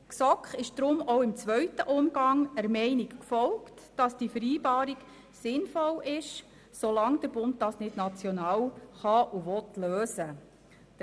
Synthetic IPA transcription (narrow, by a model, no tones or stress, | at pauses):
ksɔkχɪʃd̪̥ɾʊmoʊɪmt͡sʋœɥtəʔʊmɡ̥ɑŋæɾmɛɪnikkfɔlkt | d̥ɑsd̥ifəɾiːbɑːɾik | sɪnfɔlʔɪʃ | solɑŋd̥̪əɾb̥ʊnd̚dɑːsnɪd̥nɑt͡sjɔnɑːwχɑʔuʋɔtløːsə